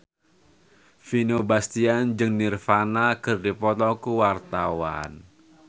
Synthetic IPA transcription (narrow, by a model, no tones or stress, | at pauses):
finobast̪iand͡ʒɨŋnirfanakɨrdipɔt̪ɔkuwart̪awa̰n